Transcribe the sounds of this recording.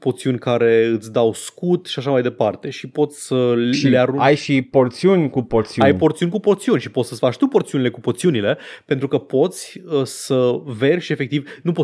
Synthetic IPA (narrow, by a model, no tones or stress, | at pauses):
po̞rt̪siunʲkaɾe̞ɨt̪sʲd̪awskut̪ʃiaʃamajd̪e̞part̪e̞ʃipo̞t̪sʲsəileaɾuajʃipo̞rt̪siunʲkupoɾt̪siajpo̞rt̪siunʲkupo̞rt̪siunʲʃipo̞t̪səsʲfat͡ʃt̪upo̞rt̪siunile̞kupot̪siunile̞pent̪ɾukəpo̞t̪sʲəsəve̞rʲʃe̞fe̞k̚t̪ivnupo